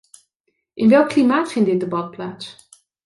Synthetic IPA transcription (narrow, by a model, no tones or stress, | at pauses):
ʔɪnʋɛlˠkːlimaːtfɪntdɪt̚debɑt̚plaːts